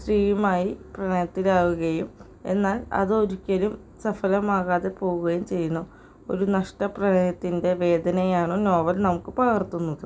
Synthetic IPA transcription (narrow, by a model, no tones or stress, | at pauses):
sriːjumaːjiprɐɳɐjɐt̪ːilaːɣuɣɐjum | e̞̰nːaːlɐ̰ðɨo̞ɾukʲːɐlum | sɐfɐlɐmaːɣaːðepo̞ːɣuɣɐjumt͡ɕe̞jːunːu | o̞̰ɾunɐʂʈɐprɐɳɐjɐt̪ːinde̞ʋe̞ːd̪ʱɐnɐjaːɳɨno̞ːʋɐlnɐmukːɨpɐɣɐrt̪ːunːɐðɨ